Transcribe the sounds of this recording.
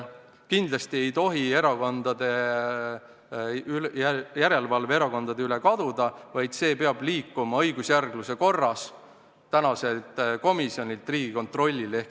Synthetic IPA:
kind̪lɑst̪ie̞jt̪o̞ɦie̞ɾɑko̞nd̪ɑd̪̥e̞ | yljæɾe̞lvɑlveeɾɑko̞nd̪̥ɑd̪eylekɑd̪̥ud̪ɑvɑjd̪̥se̞ːpe̞ɑb̥liːkːˑumɑɤjɡusjærɡ̥luse̞ko̞rːɑs | t̪ænɑse̞lt̪ˑko̞misio̞nʲilt̪ˑriːɡiko̞nt̪ro̞lʲːile̞hk

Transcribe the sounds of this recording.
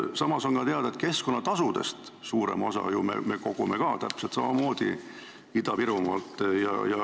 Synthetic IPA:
sɑmɑso̞nkɑt̪eɑd̪̥ɑet̪̚ke̞skonːɑt̪ɑsud̪̥e̞̰st̪ | suːɾe̞̰mo̞sɑ̰jumḛme̞ko̞ɡ̥ume̞kɑːt̪æpselt̪sɑmɑmo̞ːd̪̥i | id̪ɑpiɾumɑlt̪ːˑjɑ̰jɑ

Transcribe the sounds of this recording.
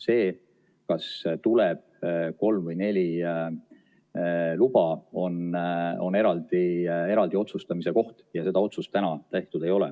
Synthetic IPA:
se̞ː | kɑst̪uleb̥̚ko̞lmvɤjne̞lʲi | lub̥ɑo̞no̞̰ne̞ɾɑld̪ie̞ɾɑld̪̥io̞t̪sust̪ɑmise̞ko̞ht̪jɑse̞d̪̥ɑo̞t̪sust̪ænɑt̪æjht̪ud̪̥e̞jo̞lɛ̰

